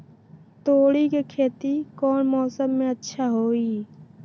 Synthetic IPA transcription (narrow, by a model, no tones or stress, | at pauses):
t̪oːɽikekʰeːt̪ikɔːnmɔːsəmːẽətːʃʰaɦoːiː